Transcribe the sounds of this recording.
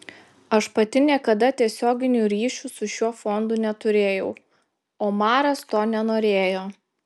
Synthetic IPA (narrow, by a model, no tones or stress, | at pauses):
ɐʃpɐt̪ʲɪnʲiɛkɐd̪ɐt̪ʲiɛsʲoːɡʲɪnʲuːɾʲiːʃʲuːsʊʃʲuɔfɔnd̪unʲɛt̪ʊɾʲeːjɛʊ | oːmɑːɾɐst̪oːnʲɛnoːɾʲeːjoː